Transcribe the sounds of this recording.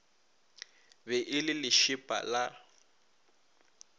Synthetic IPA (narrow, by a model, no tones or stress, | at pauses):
bɛʔɪlɪlɪʃɪpʼa̰la